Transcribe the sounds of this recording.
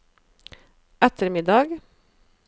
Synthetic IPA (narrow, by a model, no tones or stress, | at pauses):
ʔæt̪əɾmɪd̪ɑɡ